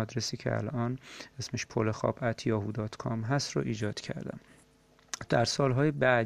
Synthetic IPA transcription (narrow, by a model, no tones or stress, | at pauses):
ɒd̪ɾesiːcʰḛæ̰lɒːnesmeʃpʰolexɒ̰ːbæt̪ʰjɒːɦud̪ɒːt̪ʰkʰɒmɦæst̪ɾo̰ʔiːd͡ʒɒːd̪̥cʰæ̰ɾd̪æ̰m | d̪̥æɾsɒːlɦɒːjebæːd̪